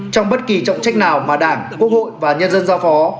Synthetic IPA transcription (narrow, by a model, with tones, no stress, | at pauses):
t͡ɕɔ˧wŋ͡mɓə˦˥t̚ki˨˩t͡ɕɔ̰˧˨wŋ͡mt͡ɕa˦˥jk̟̚naː˨˩wmaː˨˩ɗaː˧˩ŋku˦˥ək̚ho̰˧˨jvaː˨˩ɲə˧nzə˧nzaː˨˦wfɔ˨˦